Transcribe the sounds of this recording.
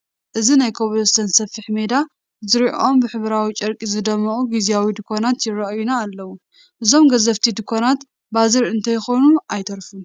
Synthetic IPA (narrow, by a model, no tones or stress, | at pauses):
ʔɨzinajkʰoβlost̪ɐnsɐfːiħme̞d̪a | zɨɾiʔo̞mbɨħɨβɾawit͡ʃʼɐɾkʼizɨd̪ɐmːɐʔʼuɡizijawid̪ɨkʰo̞nat̪jɪɾɐʔjunaːlːɐwu | ʔɨzo̞mɡɐzɐft̪ʰid̪ɨkʰːonat̪ | bazɨɾɨnt̪ʰɐjɪxo̞nuajt̪ʰɐɾfu